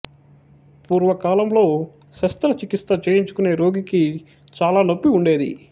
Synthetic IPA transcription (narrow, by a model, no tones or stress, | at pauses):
puːɾʋɐkaːlɐmlo̞ː | sɐst̪ɾɐt͡ʃikist̪ɐt͡ʃeːjiɲt͡ʃu̥kune̞ːɾo̞ːɡiki | t͡ʃaːlaːnopːiuɳɖe̞ːd̪ḭ